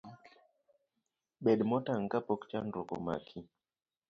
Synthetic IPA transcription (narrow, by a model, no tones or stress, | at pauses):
ɓɛɗmɔtaŋ̩kapɔkt͡ʃandɾɔkɔ̰ma̰kʰi